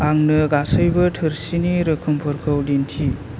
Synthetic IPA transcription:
aŋnɯɡasɯjbɯtʰɯɾsiniɾɯkʰɯmpʰɯɾkʰɯwdintʰi

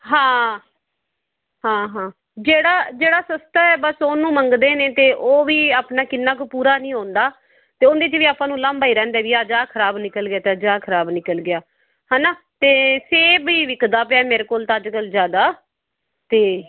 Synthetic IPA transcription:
ɦãː | ɦãːɦãː | d͡ʒeːɽaːd͡ʒeːɽaːsəst̪aɛːbəsoːnũːməŋɡd̪eːnẽːt̪eːʔoːʋiːaːpnaːkɪnːãːkopuːɾaːnĩːɦõːnd̪aː | t̪eːond̪eːt͡ʃʋiːaːpãːnũːlãmbaːiːɾɛ̃ːnd̪ɛːʋiːaːd͡ʒaːkʰəɾaːbnɪkəlɡɪaːt̪eəd͡ʒaːkʰəɾaːbnɪkəlɡɪjaː | ɦɛ̃ːnaː | t̪eːseːbiːʋɪkd̪aːpɪaːmeːɾeːkoːlt̪ãːəd͡ʒkəlzjaːd̪aː | t̪eː

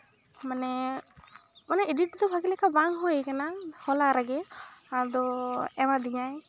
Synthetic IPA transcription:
manɛ | manɛeɖiʈ̚d̪ɔbʱaɡilɛkʰabaŋɦuejkanahɔlaɾaɡɛad̪ɔɛmad̪iɲaj

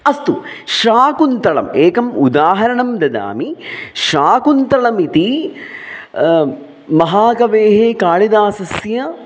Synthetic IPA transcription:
ɐst̪u | ʃaːkunt̪ɾɐɭɐ̰meːkɐmud̪aːɦɐɾɐɳɐmd̪ɐd̪a̰ːmiʃaːkunt̪ɾɐɭɐmit̪i | mɐɦaːɡɐʋeːɦeːkaːɭid̪aːsɐsjɐ

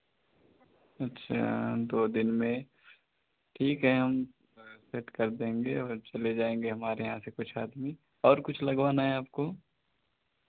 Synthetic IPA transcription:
ɐtːʃʰa̰d̪oːd̪ɪnmẽ | ʈʰiːkɦɛɦɐm | seʈkɐɾd̪ẽːŋɡeɔːɾt͡ʃɐled͡ʒaːẽːŋ̆ɡeɦɐmaːɾejɐɦãsekʊt͡ʃʰaːd̪mi | ɔːɾkʊt͡ʃʰlɐɡʋaːnaɦɛaːp̚ko

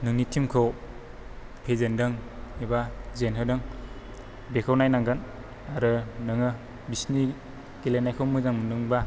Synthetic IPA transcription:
nɯŋnitʰimkʰow | pʰezendɯŋibazenɦɯdɯŋ | bekʰawnajnaŋɡɯn | aɾɯnɯŋɯ | bisni | kelenajkʰowmɯzaŋmɯnɯŋba

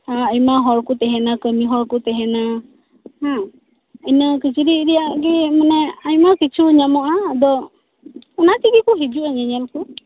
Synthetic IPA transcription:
aajmaɦɔɹkut̪ɛɦɛnakəmiɦɔɹkut̪ɛɦɛna | hã | əjnəkit͡ʃʰiɾiɾijaʔɡimanɛajmakit͡ʃʰuɲamɔʔad̪ɔ | ɔnatiɡikuɦid͡ʒuaɲɛɲɛlku

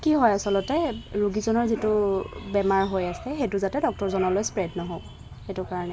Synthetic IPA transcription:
kiɦɔjasɔlɔtɛɹuɡizɔnɔɹzitʊbɛmaɹɦojasɛxetʊzatɛdɔk̚tɔɹzɔnɔlojspɹɛdnɔɦok | xetʊkaɹɔnɛ

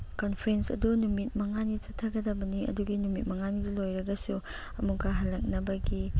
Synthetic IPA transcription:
konpʰɐɾensɐ̰dunumit̚mɐŋanit͡ʃɐtʰːɐɡɐdɐbɐniɐ̰duɡinumit̚mɐŋanidulojɾɐɡɐsu | ɐmukaɦɐlːɐk̚nɐbɐɡi

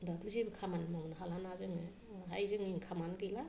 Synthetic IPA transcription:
damisibɯkʰamanmawnaɦalanazɯŋ | ɦajzɯŋiŋkʰamanɡɯla

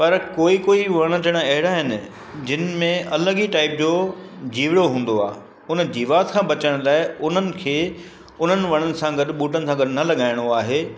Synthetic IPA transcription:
pɐɾkoːikoːiʋɐɽ̃ə̆t̪ʰɐɽ̃əɐɦɪɽaɦɪnɪ̆ | d͡ʑɪnɪ̆mẽʔɐləɡiʈaːɪp̚d͡ʑoːd͡ʑiːʋɪɽoɦũːn̆d̪oa̰ː | ʊnəd͡ʑiːʋaːt̪kʰãːbɐt͡ɕəɽ̃laːɪʊn̤ənɪ̆kʰeː | ʊn̤ənɪ̆ʋɐɽ̃ənɪ̆sãɡɐɗ̆ɓuːʈ̬ənɪ̆sãɡɐɗnɐlɐɠaːɪɽ̃oaːɦeː

